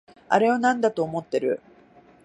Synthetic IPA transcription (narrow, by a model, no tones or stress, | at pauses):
a̰ɾe̞βanãnd̪at̪o̞ːmo̞t̪ːe̞ɾɯ̟̰